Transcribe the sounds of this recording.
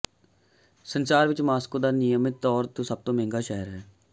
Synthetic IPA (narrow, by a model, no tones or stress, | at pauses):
sənsaːɾʋɪt͡ʃmaːskoːd̪aːnɪjəmɪt̪ːɔːɾt̪uːsəb̚t̪õːmẽːŋɡaːʃɛːəɾɦɛː